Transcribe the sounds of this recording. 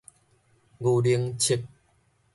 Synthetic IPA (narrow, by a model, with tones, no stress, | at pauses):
ɡu˨˩li˧əŋt͡ɕʰi˧˩k̚